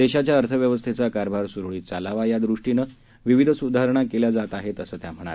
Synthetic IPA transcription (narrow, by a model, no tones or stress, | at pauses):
d̪eɕat͡ɕjaəɾt̪ʰəʋjəʋəst̪ʰet͡sakaɾbʱaɾsuɾuɭiːt̪t͡salaʋajad̪ɾuʂʈinə | ʋiʋid̪ʱəsud̪ʱaɾɳ̃akeljad͡zat̪aɦet̪əsəːt̪jam̤əɽ̃a̰